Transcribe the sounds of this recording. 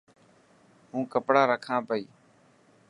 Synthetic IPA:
ɦũːkəpɽaːɾəkʰãːpəiː

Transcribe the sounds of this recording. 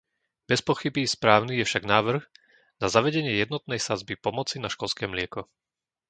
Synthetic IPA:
b̥ɛspɔxibispɾaːʊnijɛfʃaɡnaːʋr̩ɣ | nazaʋɛɟɛɲɪɛjɛd̪nɔt̪̚nɛjsad͡zbipɔmɔt͡sinaʃkɔlskɛːmlɪɛkɔ

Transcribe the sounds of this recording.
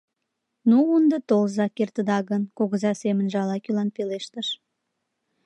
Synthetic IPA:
nuund̪ət̪olzɑkert̪əd̪ɑɣənkoɣəzɑsemə̆nʒeɑlɑkylɑnpeleʃt̪əʃ

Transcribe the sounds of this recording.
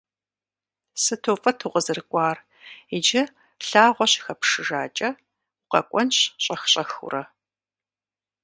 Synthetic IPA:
sɨtʰoːfʼɐtʰuʁəzɨrkʷʼɑːr | ɪd͡ʒɐ | ɬaːʁʷɔɕxɐpʂɨʒa̰ːt͡ʃʼɐ | qɐ̰kʷʼɔnɕɕʼɐxɕʼɐxṵrɐ

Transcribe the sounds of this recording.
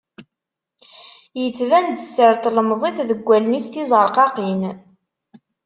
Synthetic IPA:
jət͡sːvænd̪əsːəɾt̪ləmzˤeθðəɡʷːælnist̪izˤəɾˤqɑqin

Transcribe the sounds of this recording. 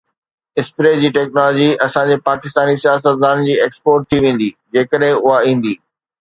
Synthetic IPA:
ɪspɾeːd͡ʑiːʈɛːknɔːlɔːd͡ʑiɐsãɲd͡ʑeːpaːkɪst̪aːnisijaːs̬ət̪zaːnd͡ʑiːeːkspoːɾʈ̚t̪ʰiʋẽːn̆d̪iːd͡ʑeːkəɗɦɪ̃ʊɦaĩːn̆d̪iː

